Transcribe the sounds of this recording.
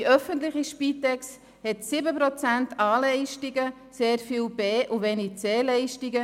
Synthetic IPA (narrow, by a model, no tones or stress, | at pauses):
iœfənt̪lɪχiʃpiːt̪ɛks | hɛt̪sɪbəpɾɔt͡sæntʰɑːlɛɪʃtiɡə | seːɾfiːlb̥eːʔuveːnit͡seːlɛɪʃtiɡə